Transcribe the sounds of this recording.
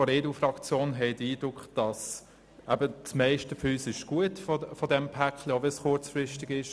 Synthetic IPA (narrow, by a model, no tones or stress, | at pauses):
ɔɾeːdufɾɑkt͡sjoːnɦɛɪdiːd̥ɾʊkχd̥ɑs | æbətsmɛɪʃtəfyːsɪʃɡ̥uətffɔdɛmpʰækʰləovɛsxʊt͡sfɾɪʃtɪɡɪʃ